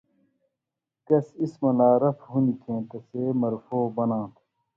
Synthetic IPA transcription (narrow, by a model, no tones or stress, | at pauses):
kɐsismɐlaːɾɐfɦunikʰẽːt̪ɐseːmɐɾfoːbɐnãːt̪ʰ